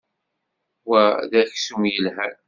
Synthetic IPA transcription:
wæðæçsumjəlɦæɾ

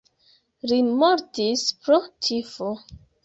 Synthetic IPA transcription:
limoɾtispɾotʰifo

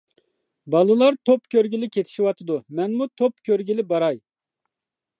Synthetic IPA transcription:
bɑlˠɨlˠɑɾt̪ʰopkʲøɾɡʲilɪkʲʰet̪ʰɪ̥ʃiwɑt̪ʰɨd̪umɛnmut̪ʰopkʲøɾɡʲilɪbɑɾɑj

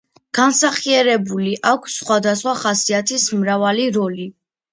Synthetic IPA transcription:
ɡ̥ansaχiɛɾɛbuliʔakʷʰsːχwad̪asχwaχasiat̪ʰismɾavaliɾɔli

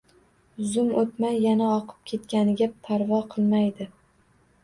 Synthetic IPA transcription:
zʊmot̪majːanaɒqʰɨ̥p̚kʲʰe̞t̪kʲanɪɡʲat̪ʰaɾvɒqʰɨlˠmajd̪ɪ

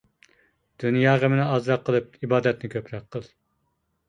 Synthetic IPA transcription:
d̪̥ynjɑːʁəmɪnɪɑzɾɑqʰːəlˠɨp̚ibɑːd̪ɛt̪nɪkʲʰøpɾɑqʰːəlˠ

